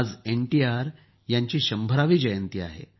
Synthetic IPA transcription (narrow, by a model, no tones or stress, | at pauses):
d͡zeɳʈiaɾ | jaɲt͡ɕiːɕəmbʱəɾaʋiːd͡ʑəjənt̪iːa̰ɦḛ